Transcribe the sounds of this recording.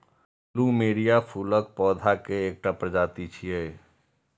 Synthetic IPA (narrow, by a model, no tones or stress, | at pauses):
lumeːɽijapʰulək̚pɔːd̪ʱakeːk̚ʈapɾəd͡ʒaːt̪it͡ʃʰie